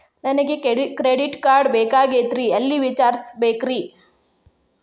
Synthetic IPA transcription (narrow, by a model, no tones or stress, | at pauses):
nɐnɐɡekkɾeɖiʈkaːɾɖbeːkaːɡet̪ɾiɐlːiʋit͡ʃaːɾsbeːkɾi